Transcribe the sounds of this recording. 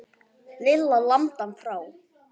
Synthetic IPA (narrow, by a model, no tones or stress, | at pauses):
lɪlːalamt̪anfɾaːw